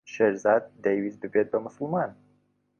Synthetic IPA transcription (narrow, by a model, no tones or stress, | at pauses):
ʃeɾzɑd̪̚ːejwizbɨbet̪̚bɐmʊsɨlˠmɑn